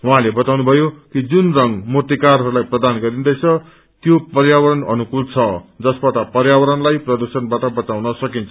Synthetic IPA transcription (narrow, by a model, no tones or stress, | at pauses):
ɦuɦãlebʌt̪awnubʱʌjokid͡zunrʌŋmot̪ikarɦʌɾulajprʌd̪anɡʌɾind̪ʌjt͡sʰʌ | t̪jopʌrjawʌɾʌnʌnukult͡sʰʌd͡zʌsbat̪apʌrjawʌɾʌnlajprʌd̪ursʌnbaʈʌbʌt̪awnʌsʌkint͡sʰʌ